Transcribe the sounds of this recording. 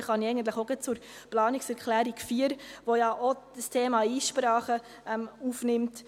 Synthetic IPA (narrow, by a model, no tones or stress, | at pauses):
χɑniɛɪɡəntləχoɡɛt͡suɾplɑːniksɛɾkχlæːɾikfiːəɾʋojɑʔod̥əstʰeːmɑiːsʃpɾɑːχə | ɛmuːfnɪmt